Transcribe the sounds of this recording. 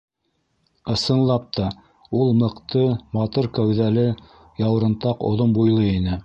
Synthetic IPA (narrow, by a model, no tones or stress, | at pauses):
ɤ̆sɤ̆nlˠɑp̚t̪ʰɑ | ulˠmɤ̆qt̪ɤmɑt̪oɾkæwðælɘ | jɑwɾɤ̆nt̪ɑqŏ̰ðombujlˠɤinɘ